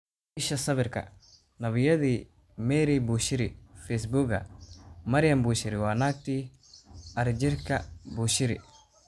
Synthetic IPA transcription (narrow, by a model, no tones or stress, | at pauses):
iʃɐsɐbiɾkɐ̰ | nɐβijɐd̪i | meɾibuʃiɾifes̬buɡɐ̰mɐɾijɐmbuʃiɾiwaːnaːk̚t̪i | ɐɾid͡ʒiɾkɐbuʃiɾḭ